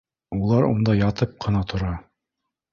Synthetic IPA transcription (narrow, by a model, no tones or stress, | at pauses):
ulˠɑɾṵnd̪ɑjɑt̪ɤp̚qʰɤ̆nɑt̪ʰŏɾɑ